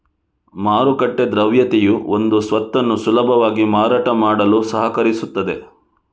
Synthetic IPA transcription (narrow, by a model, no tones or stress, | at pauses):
maːɾukɐʈːed̪ɾɐʋjɐt̪ejuond̪usʋɐt̪ːɐnːusulɐbʱɐʋaːɡimaːɾaːʈɐmaːɽɐlusɐɦɐkɐɾisut̪ːɐd̪e̞